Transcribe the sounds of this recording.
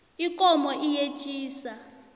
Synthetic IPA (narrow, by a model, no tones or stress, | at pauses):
ikʼɔmɔʔije̥t͡ʃʼiːsa